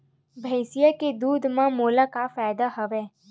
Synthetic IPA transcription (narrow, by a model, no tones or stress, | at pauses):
bʱəjsijəked̪ud̪ʱmãmuləkafajd̪aɦəʋe